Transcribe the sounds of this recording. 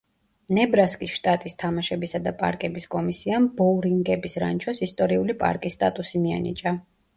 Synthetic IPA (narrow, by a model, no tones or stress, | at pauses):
nɛbɾaskʼisʃt̪ʼat̪ʼist̪ʰamaʃɛbisad̪apʼa̰ɾkʼɛbiskʼɔmisiambɔɾiŋɡɛbisɾa̰nt͡ʃʰɔsist̪ʼɔɾiulipʼa̰ɾkʼisːt̪ʼat̪ʼusimia̰nḭt͡ʃʼa